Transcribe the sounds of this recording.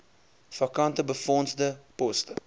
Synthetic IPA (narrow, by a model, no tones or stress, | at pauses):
fɐkɐntəbəfɔnzdəpɔstə